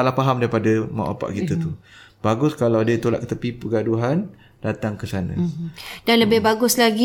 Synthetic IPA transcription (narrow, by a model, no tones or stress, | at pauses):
alahpaɦamdaɾipadama̰ʔa̰pa̰ʔkit̪ət̪u | b̥aɡʊskalawadiət̪ola̰ʔ̪̚kət̪əpipəɡaduɦan | dat̪aŋkəsanã̰d̥anləbɪhbaɡʊslaɡi